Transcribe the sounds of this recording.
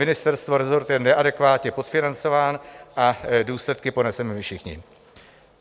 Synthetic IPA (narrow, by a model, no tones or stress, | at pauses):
ɪnɪst̪ɛɾst̪vo̞ɾɛzo̞ɾt̪jɛnɛʔadɛkvaːt̪ɲɛpo̞t̪fɪnant͡so̞vaːnʔaduːslɛt̪kɪpo̞nɛsɛmɪfʃɪxɲɪ̰